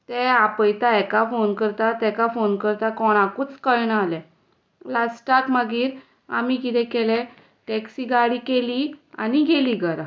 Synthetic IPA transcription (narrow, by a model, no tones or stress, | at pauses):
t̪ɛapəjt̪aɛkafonkəɾt̪at̪ɛkafonkəɾt̪akɔɽ̃akuːt͡skəjɳəalɛ̃ | lasʈakmaɡiːɾ | a̰mikit̪ɛ̃kɛlɛ | ʈɛksiɡaɽikelia̰niɡʱeliɡəɾa